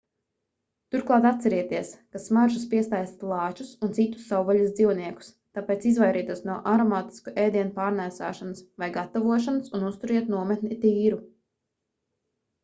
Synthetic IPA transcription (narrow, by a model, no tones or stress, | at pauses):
t̪uɾklˠɑːt̪at̪sɛɾiɛt̪iɛskasmaɾʒuspiɛst̪ajst̪lˠɑːt͡ʃusunt̪sit̪ːu̥sːawvaluzd̪ziwniɛku̥s | t̪aːpeːt̪sizvajɾiːt̪uɔsnuɔʔaɾɔmaːt̪i̥skuʔɛːd̪iɛnupaːɾnæːsa̰ːʃanɐsvajɡat̪ɔvuɔʃanɐsunust̪uɾiɛt̪nuɔmɛt̪nit̪iːɾu